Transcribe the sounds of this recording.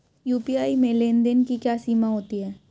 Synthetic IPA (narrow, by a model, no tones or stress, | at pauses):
juːpiaːimẽleːnd̪enkikjaːsiːmaɦoːt̪iɦɛː